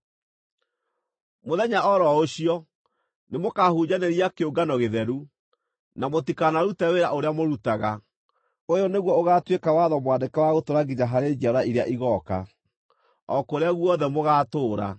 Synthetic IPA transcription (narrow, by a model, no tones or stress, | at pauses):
moðɛɲaʔɔɾɔoɕiɔ | nemokahud͡ʑaneɾijakeoɡanɔɣeðɛɾu | namotikanaɾutɛweɾaʔoɾeamoɾutaɣa | ojɔneɣwɔoɣatwekawaðɔmwadekawaɣotoɾaɡiɲaɦaɾed͡ʑaɾaiɾeaʔiɣɔka̰ | ɔkoɾeaɣwɔðɛmoɣaːtoːɾa̰